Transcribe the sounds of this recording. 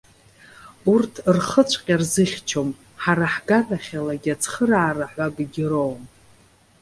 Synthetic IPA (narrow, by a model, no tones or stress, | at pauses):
urtʰrχət͡ʃʷʰʼqʲʼarzɨχʲt͡ʃʰom | ħaɾaħɡazaχʲalaɡʲat͡sʰχəraːraħʷaɡʼɡʲɪɾowm